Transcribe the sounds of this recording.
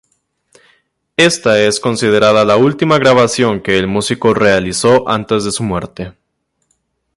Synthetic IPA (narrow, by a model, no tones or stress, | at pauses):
e̞st̪ae̞sko̞nsið̞eɾaðalault̪imaɣɾaβasjo̞ŋke̞ːlmusiko̞re̞aliso̞ʔa̰nt̪e̞zðe̞sumwe̞ɾt̪e̞